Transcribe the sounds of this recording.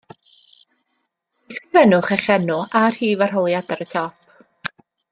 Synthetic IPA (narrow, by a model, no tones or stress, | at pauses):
d̥ɪskrɪvɛnʊχɛχɛnʊʔar̥hiːvar̥ɦɔlˠjadaɾətʰɔp̚ʰ